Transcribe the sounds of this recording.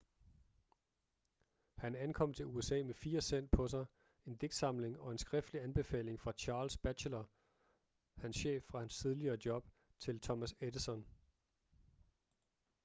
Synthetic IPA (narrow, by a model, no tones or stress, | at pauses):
hænænkʰɒ̽m̰t͡sʰe̝luesɛ̰ːmefiːɐsen̰d̥̚pʰɒ̽sɑ̈ɪ | e̝nd̥e̝ɡ̥d̥sɑ̈m̰le̝ŋɒ̽e̝nsɡ̥ʁɛfd̥liænb̥e̝fɛ̰ːle̝ŋfʁɑ̈t͡ɕʰɑ̈ːlsb̥æɕʰlɐ | hænsɕḛːfːʁɑ̈hænst͡sʰið̞ˠliɐːd̥jɒ̽b̥ | t͡sʰe̝lt͡sʰɒ̽mæsed̥əsɒ̽n